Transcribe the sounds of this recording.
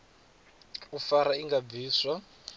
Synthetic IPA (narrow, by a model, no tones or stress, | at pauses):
ufaɾaiŋɡabviːswa